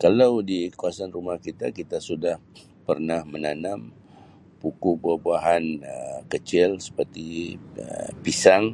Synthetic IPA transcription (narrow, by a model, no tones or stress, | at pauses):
kalawdikuasanrumahkit̪akit̪asudah | pərnahmənanam | pukubabuaɦankət͡ʃɪlsə̥pərt̪iəpisaŋ